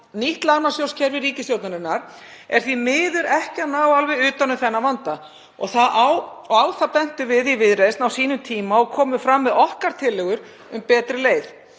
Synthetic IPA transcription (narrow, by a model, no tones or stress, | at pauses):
niht̪laɣnasjowscʰɛɾvɪɾriːcɪsjowt̪naɾɪnːaɾ̥ | ɛɾ̥θvimɪːðʏɾɛhcɪanaːwalvɛʏːt̪anʏθɛnːavant̪a | ɔɣθaðʔawɔaːwθapɛn̥t̪ʏvɪðivɪðɾejst̪nawsiːnʏmt̪ʰiːmaɔɣkʰɔːmʏfɾamːɪðɔhkaɾ̥t̪ʰɪlːɛɣʏɾ | ʏmpɛːt̪ɾɪleːjθ